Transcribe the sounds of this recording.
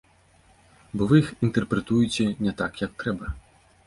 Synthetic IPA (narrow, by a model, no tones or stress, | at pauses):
bɔvɨjixint̪ɛrpɾɛt̪ujt͡sʲɛnʲɛt̪akjɐk̚t̪ɾɛbɐ